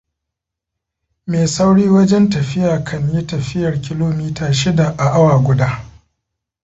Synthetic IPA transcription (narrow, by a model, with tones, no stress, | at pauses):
meː˨sa˦wɽiː˦wɐ˦d͡ʒɛ˦ntɐ˨ɸɪ˦jaː˨kʰɐ˦˨ɲji˦tɐ˨ɸɪ˦jɐ˨rkʲɪ˦loː˦miː˦taː˨ʃɪ˦da˨ʔa˨ʔa˦waː˨ɡʷʊ˦daː˦